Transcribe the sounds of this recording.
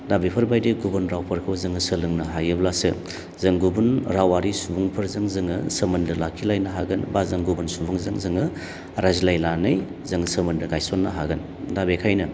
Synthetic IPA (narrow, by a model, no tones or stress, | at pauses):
dabipʰɐɾbajdeɡubɐnɾawpʰɐɾkʰɐwzɯŋɯsəlɯŋnɐɦajɯblasɯ̰ | zɐŋɡubunɾawaɾisubuŋpʰɐɾzɐŋzɯŋɯsəmɐndɐlakʰilajnɐɦaɡɯnbazɐŋɡubunsubuŋzɐŋzɐŋɯ | ɾazilajlanɯj | zɐŋsəmɐndɐɡajsonːɐɦaɡɯn | dabekʰajnɐ